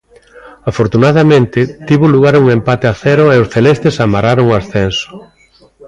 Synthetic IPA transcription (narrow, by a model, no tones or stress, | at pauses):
afoɾt̪unaðamẽnt̪ɪt̪iβʊluɣ̞aɾuŋempat̪eaθɛɾʊeosθelɛst̪esamaraɾoŋoasθɛnso̥